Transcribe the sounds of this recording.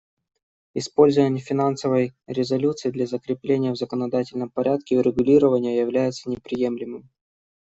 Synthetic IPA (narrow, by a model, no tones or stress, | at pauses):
ɪspo̞lʲzəvənʲɪfʲɪnansəvəjɾʲɪzɐlʲut̪sɨɪd̪lʲɐzəkɾʲɪplʲenʲɪjəvzəkənɐd̪atʲɪlʲnəmpɐɾʲʔat̪kʲɪʊɾʲɪɡʊlʲiɾəvənʲɪjəjɪvlʲæjɪt̪sənʲɪpɾʲɪje̞mlʲɪmɨm